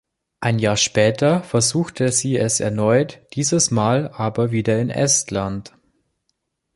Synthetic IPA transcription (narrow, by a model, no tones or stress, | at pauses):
ʔaɪnjaːɐʃpɛːtɐfɛɐzuːxtʰəziːɛsɛ̰ɐnɔʏtd̥iːzəsmaːlʔaːbɐviːdɐɪnʔɛ̰stlant